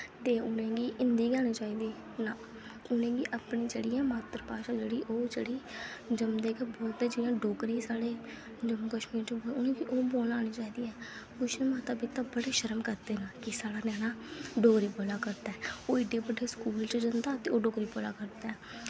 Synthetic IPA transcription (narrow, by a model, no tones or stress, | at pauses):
t̪eːʊnẽːɡiːʔɪnd̪iːɡɛːñiːt͡ʃaːiːd̪iː | naː | ʊnẽːɡiːʔapniːd͡ʒeːɽiːɛːmaːt̪əɾpaːʃaːd͡ʒeːɽiːʔoːd͡ʒḛːɽiːd͡ʒəmd̪eːkebɔːlt̪ɛːd͡ʒɪːiãːɖoːkɾiːsaːɽeː | d͡ʒəmːuːkəʃmiːɾt͡ʃəboːeʊnẽːɡiːʔoːboːlaːñiːt͡ʃaːiːd̪iːɛːpʊt͡ʃʰnẽːmãːt̪aːbɪt̪ãːbəɽeːʃəɾəmkəɾd̪eːnãːkɪsaːɽaːnɛːnaːɖoːkɾiːboːlaːkəɾd̪aɛːoːɪɖeːbəɖeːskuːlt͡ʃːd͡ʒənd̪aːt̪eːoːɖoːkɾiːboːla̰ːkəɾd̪aɛː